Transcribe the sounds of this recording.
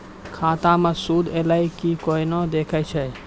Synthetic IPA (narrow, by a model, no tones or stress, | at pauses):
kʰãːt̪ãmesud̪ʱelaikikoinod̪ekʰət͡ʃʰɛ